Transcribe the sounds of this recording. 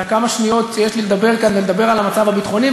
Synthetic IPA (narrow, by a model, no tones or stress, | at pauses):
kamaʃnijo̞t̪jeʃliled̪abe̞ʁkanveled̪abe̞ʁalamat͡savabit̪χo̞ni